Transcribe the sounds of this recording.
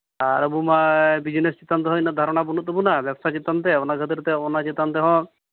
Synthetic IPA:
aɾəbumabid͡ʒnest͡ʃit̪ant̪eɦɔjnad̪ʱaɾɔɽ̃abunut̪əbunabjabsat͡ʃit̪ant̪ɛɔnaɡʱət̪iɾt̪ɛɔnat͡ʃit̪ant̪ɛɦɔ̃

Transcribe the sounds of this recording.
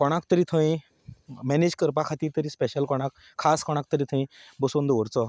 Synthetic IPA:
kɔɽ̃akt̪əɾiːt̪ʰə̃ĩ | mɛned͡ʑkəɾp̬akʰat̪iːɾt̪əɾiːspɛɕəlkɔɽ̃akʰːaskɔɽ̃ak̚t̪əɾiːt̪ʰə̃ĩbəsund̪əʋəɾt͡sɔ

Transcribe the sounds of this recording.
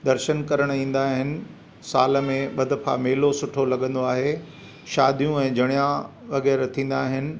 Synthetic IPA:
d̪ɐɾʃənkɐɾəɽ̃ĩːn̆d̪aːɦɪnɪ̆ | saːləmẽɓɐd̪ʱəfʰa̰meːlosʊʈʰolɐɠə̃nd̪oaːɦe | ʃaːd̪ʱijũɛ̃ːd͡ʑʱɐɽ̃ijã | ʋɐɣɛːɾt̪ʰĩːn̆d̪aːɦɪnɪ̆

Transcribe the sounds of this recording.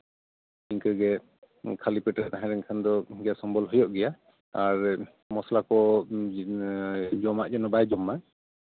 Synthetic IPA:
iŋkəɡɛ | kʰalipɛʈɛt̪aɦãɾɛŋkʰand̪ɔɡɛjasɔmbɔlɦɔjɔʔɡɛja | aɹ | mɔslakɔ | d͡ʒɔmaʔd͡ʒɔnɔbajd͡ʒɔmːa

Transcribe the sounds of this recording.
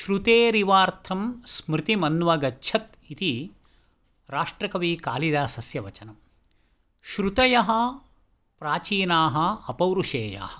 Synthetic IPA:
ʃɾut̪eːɾiʋaːɾt̪ʰɐmsmɾɪt̪imɐnʋɐɡɐtːʃʰɐt̪ | it̪i | ɾaːʂʈɾɐkɐʋiːka̰ːlid̪aːsɐsjɐʋɐt͡ʃɐnɐm | ʃɾut̪ɐjɐɦɐ̆ | pɾaːt͡ʃiːnaːɦɐ̆ɐpɐwɾuʂeːja̰ːhɐ̆

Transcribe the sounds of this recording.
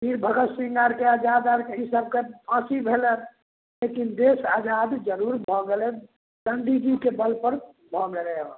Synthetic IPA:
biɾbʱəɡət̪siŋɡaɾkead͡ʒad̪aɾkeɦisəb̚kepʰãsibʱelən | lekind̪esad͡ʒad̪d͡ʒəɾuɾbʱɔɡele | d̪ənd̪iɡikebəlpəɾ | bʱɔmeɾɛɔ̃

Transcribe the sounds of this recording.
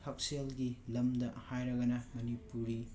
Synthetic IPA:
hɐk̚selɡilɐmdɐhajɾɐɡɐnɐmɐnipuɾɾi

